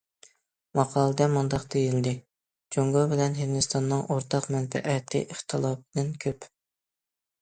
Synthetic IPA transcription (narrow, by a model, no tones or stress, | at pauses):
mɑqʰɑːlˠɨd̪ɛmund̪ɑqd̪ejild̪ɪ | d͡ʒoŋɡobɪlɛnɦɪnd̪ɪst̪ʰɑnːɨŋʔoɾt̪ʰɑqmɛnfɛ̰ʔɛt̪ʰɪ̰ʔɪχt̪ʰɨlˠɑp̚d̪ɪnkʲʰøp